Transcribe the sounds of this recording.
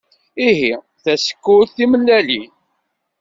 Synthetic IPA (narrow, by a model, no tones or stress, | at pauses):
iɦi | θæsə̥kːʊɾθiməlːælin